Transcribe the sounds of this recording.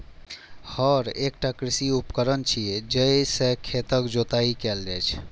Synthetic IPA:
hɔɾekʈakɾisiupkəɾənt͡ʃʰied͡ʒəisekʰet̪əkd͡ʒot̪aikɛld͡ʒɛt͡ʃʰ

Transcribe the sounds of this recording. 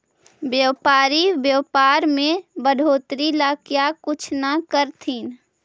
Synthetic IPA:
bjəwpaːɾibjəːpaːɾmẽbəɖʱoːt̪ɾilaːkjakʊt͡ʃʰnakəɾt̪ʰiːn

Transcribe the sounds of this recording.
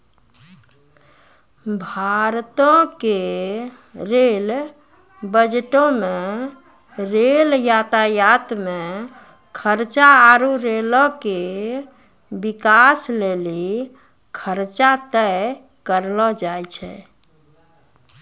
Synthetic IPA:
bʱaɾt̪ɔ̃ke | ɾel | bəd͡ʒʈõme | ɾeljat̪ajat̪me | kʰəɾt͡ʃaːɾuɾelɔke | bikasleli | kʰəɾt͡ʃat̪əj | kəɾlɔd͡ʒajt͡ʃʰɛ̰

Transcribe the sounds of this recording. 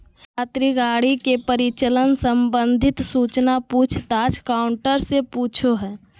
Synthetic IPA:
kʰaːt̪ɾiɡaːɽikepəɾɪt͡ʃələnsəmbə̃nd̪ʱɪt̪suːt͡ʃnapuːt͡ʃʰt̪ad͡ʒkaʊɳʈəɾsepuːt͡ʃʰoɦɛː

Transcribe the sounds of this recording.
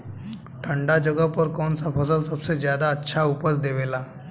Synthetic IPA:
ʈʰəɳɖad͡ʑəɡəpəɾkonsapʰəsəlsəbsed͡ʑjad̪aətːɕʰaupəsd̪eʋela

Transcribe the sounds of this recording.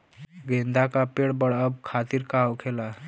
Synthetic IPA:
ɡend̪ʱakapeɽbəɽəbkʰat̪iɾkaokʰela

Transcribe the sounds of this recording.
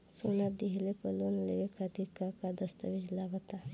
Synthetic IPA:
sonad̪iɦlepɐlonleʋekʰad̪ikakad̪əst̪aʋid͡ʒlaɡət̪a

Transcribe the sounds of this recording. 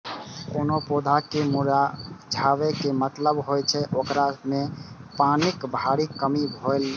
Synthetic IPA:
koːnopod̪ʱakemuɾad͡ʒʱaːʋekemət̪ləbɦojt͡ʃʰɛʔokɾamẽpaːnɪkbʱaɾikəmibʱoel

